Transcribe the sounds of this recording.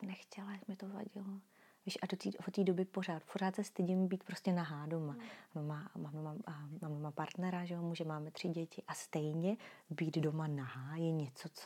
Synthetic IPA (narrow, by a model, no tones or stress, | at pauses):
nɛxcɛlajakmɪt̪ova̰ɟɪlo | viːʃʔadot̪iːot̪iːdo̞bɪpo̞r̝aːt̪poɾaːt̪sɛst̪ɪɟɪmbiːt̪pɾo̞scɛnaɦaːdo̞manomamaːmdomamaːmdomapaɾt̪nɛɾaʒɛomuːʒɛmaːmɛt̪r̝̥ɪɟɛcɪʔast̪ɛjɲɛbiːd̪do̞manaɦaːjɛɲɛt͡sot͡s